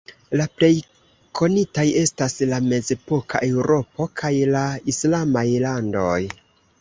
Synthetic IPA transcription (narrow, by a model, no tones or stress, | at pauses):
laple̞j | kʰo̞nitaje̞staslame̞ze̞po̞kʰaʔe̞wɾo̞po̞kʰajlaislamajlando̞j